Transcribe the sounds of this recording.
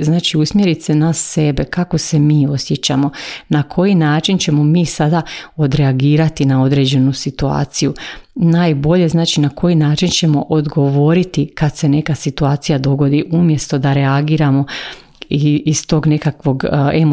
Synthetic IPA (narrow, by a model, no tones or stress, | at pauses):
znaːt͡ʃiusmje̞ɾit̪se̞nasːe̞be̞kako̞se̞miːo̞sje̞t͡ɕamo̞nakʰo̞jinaːt͡ʃint͡ɕe̞mo̞miːsad̪ao̞d̪ɾe̞aɡiːɾat̪inao̞d̪ɾe̞ːd͡ʑe̞nusit̪ua̰ːt̪sijunaːjbo̞ʎe̞znaːt͡ʃinakʰo̞jinaːt͡ʃint͡ɕe̞mo̞ʔod̪ɡo̞ʋo̞ɾit̪ikad̪se̞ne̞kasit̪uaːt̪sijad̪o̞ɡo̞d̪iʔumje̞st̪o̞d̪aɾeaɡiːɾamo̞ | iːst̪o̞ːɡne̞kakʋo̞ɡem